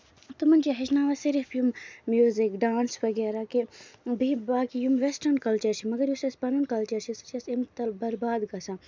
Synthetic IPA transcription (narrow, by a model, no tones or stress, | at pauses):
t̪umɐnd͡ʒiɦɐʃnaːʋɐsiɾifjummjuːzikɖaːnsʋɐɡeɾakebibaːkijumʋesʈɐnkɐlt͡ʃɐɾt͡ʃʰimɐɡɐɾjusɐspɐnunkɐlt͡ʃɐɾt͡ʃʰisɐ̥t͡ʃʰɐsimt̪ɐlbɐɾbaːd̪ɡɐsa